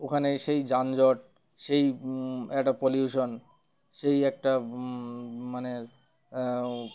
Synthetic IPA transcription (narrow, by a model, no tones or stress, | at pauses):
okʰaneʃejd͡ʑand͡ʑɔʈ̚ | ʃejɛkʈapoljuʃon | ʃejɛk̚ʈa | mane